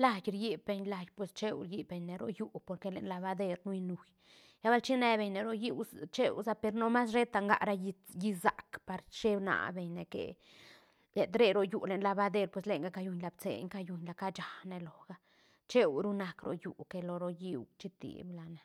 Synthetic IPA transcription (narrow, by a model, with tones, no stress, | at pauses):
la˧jɾji˦bbe˧ɲla˨jpwe˧st͡ʃe˦wɾji˧˦be˨ɲne˨ɾo̰˧ju˦po˧ɾke˧lḛ˨nla˧ba˧d̪e˦ɾnu˦i˧nu˨j | ja˦ba˦lt͡ʃi˦ne˧be˨ɲne˨ɾo˦ji˦wt͡ʃḛ˦wsa˦pe˧ɾno˦ma˦s̬ɾe˦t̪a˧ŋɡa̰˦ɾa˧˦ji˧ji˧za̰˨kpa˨ɾt͡ʃe˦bna̰˨be˨ɲne˨kḛ˨ | le˨t̪ɾe˦˧ɾo˧ju˨le˨nla˧ba˧˦d̪e˧ɾpwe˧˨sle˧˨ŋɡa˦ka˧ju˧ɲla˧bt͡sḛ˨ɲka˧ju˨ɲla˨ka˦t͡ʃa˨ne˧lo˨ɡ̥a˦ | t͡ʃe˦wɾu˦na˨kɾo̰˨jṵ˨ke˧lo˨ɾo˧ji˦˧wt͡ʃi˦t̪ḭ˨bla˨ne˨